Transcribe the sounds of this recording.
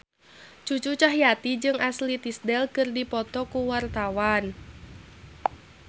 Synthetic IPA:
t͡ʃut͡ʃut͡ʃaɦjat̪id͡ʒɨŋʔaslit̪isdɛlkɨrdipɔt̪ɔkuwart̪awan

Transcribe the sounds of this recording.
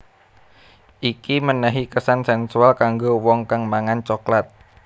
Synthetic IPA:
ʔikimənaɦikəsansɛnsualkaŋɡowɔŋkaŋmaŋant͡ʃɔklat̪̚

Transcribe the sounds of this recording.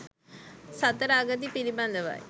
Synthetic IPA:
sɐt̪ːɐɾaːɡɐt̪̬ːipilimand̪ɐʋa̰ːj

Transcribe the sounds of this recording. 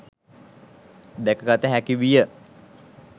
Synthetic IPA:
d̪ɛkəkat̪eɦækiʋijə

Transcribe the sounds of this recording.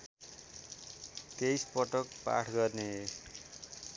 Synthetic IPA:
t̪ejspʌʈʌkpa̰ʈʰɡʌrne

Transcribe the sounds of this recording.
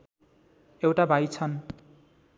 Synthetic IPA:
ewʈabʱajt͡sʰʌn

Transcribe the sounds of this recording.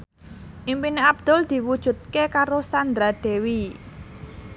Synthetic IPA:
ʔimpineab̚d̪̥ʊ̤ld̪̥i̤wud̥ʒ̥ṳt̪̚kekaɾosand̪ɾad̪̥e̤wi

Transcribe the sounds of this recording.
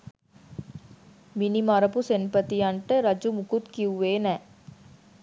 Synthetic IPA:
minimɐɾɐpusenpət̪ijɐɳʈəɾɐd͡ʒumukut̪kiuʋeːnɛː

